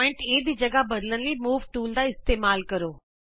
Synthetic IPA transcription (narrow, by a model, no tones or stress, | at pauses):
ɪ̃ɳʈeːd̪id͡ʒɐɡabɐd̪lənlimuːʋʈuːld̪aɪst̪eːmaːlkɐɾoː